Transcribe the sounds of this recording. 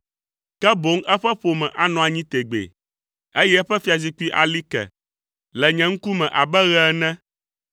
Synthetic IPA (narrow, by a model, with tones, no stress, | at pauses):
kɛ˦bo˨˦ŋʔɛ˦ɸɛ˦ɸo˨mɛ̃˨ʔa˨nɔ̃˨a˨ɲĩ˦t̪e˨ɡ͡bḛ˨ | e˦jɛ˦ɸɛ˦fi˦a˨zi˦k͡pi˦ʔa̰˨li˦kɛ̰˨ | lɛ˨ɲɛ̃˨ŋ̩˦ku˦mɛ̃˨ʔa˨bɛ˦ɣɛ˦nɛ̃˦